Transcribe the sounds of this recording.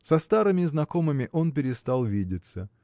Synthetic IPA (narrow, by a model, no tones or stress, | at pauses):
sɐst̪aɾɨmʲɪznɐko̞mɨmʲɪʔo̞npʲɪɾʲɪst̪alˠvʲidʲɪt̪sə